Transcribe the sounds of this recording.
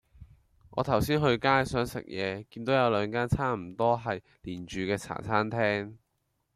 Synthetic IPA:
ŋɔː˨˧t̪ʰɐ˨˩wsiː˥nɦɵ˧ɥkaː˥jsœː˨˥ŋsɪ̰˨k̚jɛ̰ː˨˧kiː˧nt̪o˨˥wjɐ˨˧wlœː˨˧ŋkaː˥nt͡sʰaː˥m̩˨˩t̪ɔː˥ɦɐ˨j | liː˨˩nt͡ʃyː˨˧kɛː˧t͡sʰa̰ː˨˩t͡sʰaː˥nt̪ʰɛː˥ŋ

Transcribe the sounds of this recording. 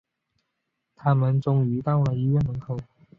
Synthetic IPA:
t̪ʰa˥mə˨˦nt͡sʊ˧ŋy˧˥t̪a˥˩wla˨˥i˧˥ɥɛ˥˩nmə˨˥ŋkʰo˨˩˦ʊ

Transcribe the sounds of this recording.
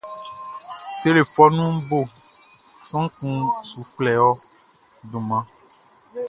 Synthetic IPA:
te˦le˨fɔ˦nũ˦bo˦˨ | sɔ̃˦ŋ˦kũ˦su˨flɛ˨wɔ˦ | ɖõ˨mã˦

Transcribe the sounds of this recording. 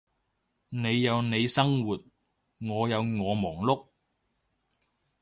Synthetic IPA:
ne˨˧jːɐ˨˧wne˨˧jsɐ˥ŋwuː˨t̚ | ŋɔː˨˧jɐ˨˧wŋɔː˨˧mɔː˨˩ŋlʊ˥k̚

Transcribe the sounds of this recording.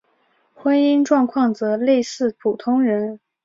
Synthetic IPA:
xwə˥ni˥nʈ͡ʂwɑ˥˧ŋkʰwɑ˥˩ŋt͡sɤ˧˥le˥˧ɪsɹ̩˥˩pʰu˨˩t̪ʰʊ˥ŋɻə˧˥n

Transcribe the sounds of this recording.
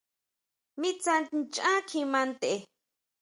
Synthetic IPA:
mi˦t͡sa˧nnt͡ʃʼã˦kʰi˧mã˧nt̪e˨

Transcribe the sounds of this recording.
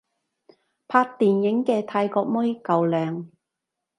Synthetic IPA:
pʰaː˧k̚t̪iː˨njɪ˨˥ŋkɛː˧t̪ʰaː˧jkɔː˧k̚mɔ˥jkɐ˨wlœː˨˧ŋ

